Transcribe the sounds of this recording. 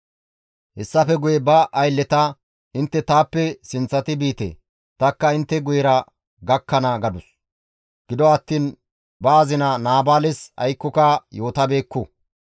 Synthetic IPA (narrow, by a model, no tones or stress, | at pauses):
hɛsːɐfɛɡʊjɛbɐʔɐjlːɛt̪ɐ | ɪnt̪ːɛt̪aːpːɛsɪnt͡sːɐt̪ɪbiːt̪ḛː | t̪ɐkːɐɪnt̪ːɛɡʊjɛɾɐ | ɡɐkːɐnɐɡɐd̪ʊs | ɡ̥ɪd̪ɔɐt̪ːiːn | baːzɪnɐnaːbaːlɛsɐ̰jkːɔkɐjo̞ːt̪ɐbe̞ːkːʊ